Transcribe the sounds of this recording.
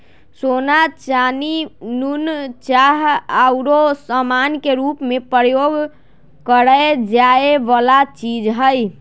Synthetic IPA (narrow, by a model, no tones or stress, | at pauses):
sonat͡ʃaninunt͡ʃaɦaɾosəmankeɾupmepɾəjoɡ | kəɾəd͡ʒaebalat͡ʃid͡ʒɦəj